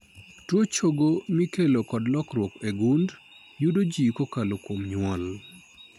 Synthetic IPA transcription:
twot͡ʃoɡomikelokɔdlɔkɾwɔkeɡund | judod͡ʒikokalokwomɲʊwɔl

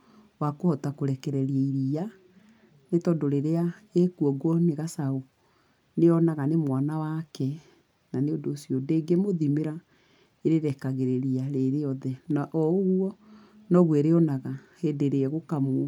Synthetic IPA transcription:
wakohɔtakoɾɛkɛɾɛɾiɛiɾia | netɔdoɾeɾeaekuɔɡwɔneɣasao | neɔnaɣanemwanawakɛ | naneodoːsiɔdeɡemoðimeɾa | eɾeɾɛkaɣeɾeɾiaɾeɾeɔðɛnaʔɔoɣwɔ | nɔɣwɛɾeɔnaɣahedeɾeɛɣokamo

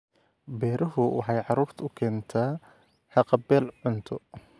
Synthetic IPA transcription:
bɛːɾɐɦʊwʔɑ̰ħɑjʕɑɾuːrt̪ʰʊkʰɛːnt̪ʰaː | ħɑqɑbɛːlʕʊnt̪ʰɔ

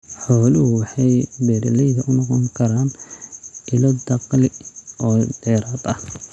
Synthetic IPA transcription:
ħɔːlɪhʊwɑħɑjbɛːɾɪlɛjðɐʔʊnɔqɔŋkʰɐɾaːn | ʔɪlɔd̪ɐqlɪʔɔːd̪ɛːɾaːd̪ɐh

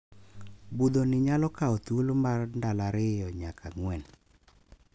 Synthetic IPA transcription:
bud̪onɪɲalɔkaɔt̪ulomarndalaɾɪjɔɲakʰaŋwɛn

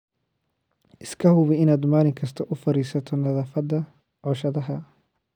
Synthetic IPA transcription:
ʔɪskʰɐɦʊβɪɪnaːd̪maːlɪŋkʰɐst̪ʰɐʔʊfɐɾiːsɐt̪ʰɔnɐðaːfɐd̪ɐ | ʕɔːʃɐðɐɦɐ

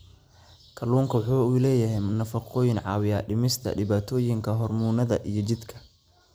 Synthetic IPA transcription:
kʰɐluːŋkʰɐwħuːlɛːjɐɦɛjmʊnɐfɐqʰɔːjɪnʕɑ̰ːwɪjaːɖɪmɪst̪ʰɐ̰ɖɪβaːt̪ʰɔːjɪŋkʰɐɦɔrmuːnɐðɐ̰ʔijɞt͡ʃɪd̪kʰɐ̥

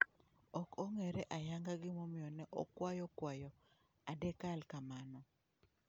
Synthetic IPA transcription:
ɔkʰoŋɛɾɛʔajaŋɡaɡɪmomɪjɔnɛʔɔ̰kwajɔkwajɔ | adɛkalkamanɔ

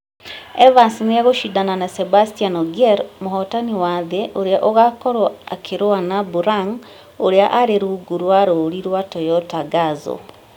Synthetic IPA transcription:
ɛvansinejaɣoʃidananasebastianɔɡeɾmoɦɔtaniwaːðeʔoɾeaʔoɣakɔɾwoakʰeɾoanabuɾaŋ | oɾeaʔaɾeɾuɡuɾwaɾoːɾiɾwatɔjɔtaɡazɔ̰

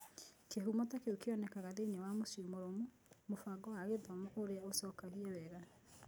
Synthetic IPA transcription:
keɦumɔtakeukeɔnɛkaɣaðeɲɛwamosiomoɾomo | mofaɡɔwaɣeðɔmɔʔoɾeaosɔːkaɣiawɛɣa

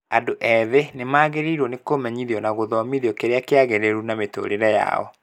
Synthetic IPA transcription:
adoʔɛðenemaːɣeɾiɾwɔnekomɛɲiðiɔnaɣoðɔmiðjɔkeɾeakeaɣeɾeɾunameto̰ɾeɾɛja̰ɔ̰

